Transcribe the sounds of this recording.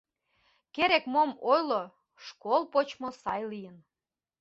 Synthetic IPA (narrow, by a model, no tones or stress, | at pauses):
keɾekmomojlo | ʃkolˠpot͡ɕmŏsɑjlijən